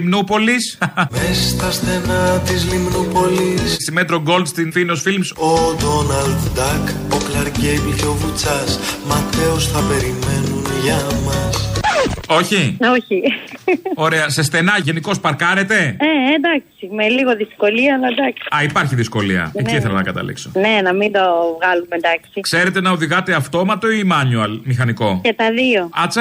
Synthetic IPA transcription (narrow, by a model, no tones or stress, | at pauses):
imnupo̞lismesɐst̪ɐsθenɐt̪izlimnupo̞lissimet̪ɾo̞ɡo̞ld̪st̪infinosfilmsod̪o̞nɐld̪d̪ɐk | oklɐɾɟejblco̞vut͡sɐsmɐθe̞osθɐpe̞ɾime̞nunʝɐmɐs | o̞çioçi | o̞ɾe̞ɐse̞st̪e̞nɐʝeniko̞spɐɾkɐɾe̞t̪e̞eend̪ɐksimeliɣo̞ðisko̞liɐɐlɐd̪ɐksi̥ɐipɐɾçiðisko̞liɐ̰eciiθelonɐkɐt̪ɐ̰lḭksone̞nɐmind̪ovɣɐlumend̪ɐksikse̞ɾe̞t̪e̞nɐoðiɣɐt̪e̞ɐft̪o̞mɐt̪o̞imɐnuɐlmixɐniko̞cet̪ɐðio̞ɐt͡sɐ